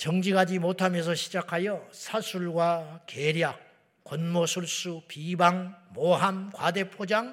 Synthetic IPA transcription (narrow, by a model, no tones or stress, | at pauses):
t͡ɕʌŋd͡ʑiɡad͡ʑimotʰamjʌnsʰʌɕʰid͡ʑakʰajʌsʰasʰuɭɡwakeɾjak͈̚ː | wonmosʰuɭs͈upibaŋmoɦamkwade̞pʰod͡ʑaŋ